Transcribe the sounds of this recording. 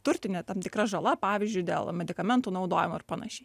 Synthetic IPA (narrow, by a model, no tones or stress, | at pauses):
t̪ʊɾʲt̪ʲɪnʲeːt̪ɐmt̪ʲɪkɾɐʒɐlˠɐpɑːʋʲɪːzʲd͡ʒʲʊɪd̪ʲḛːlˠmʲɛd̪ʲɪkɐmʲɛnt̪uːnɐʊd̪oːjɪmoɪrpɐnɐ̰ʃʲɛɪ